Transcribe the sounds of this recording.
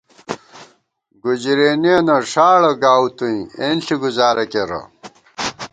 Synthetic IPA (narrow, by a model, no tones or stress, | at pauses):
ɡud͡ʑiɾeːniɐnɐʂaːɽɐɡaːwt̪uĩenɬiɡuzaːɾɐkeɾɐ̰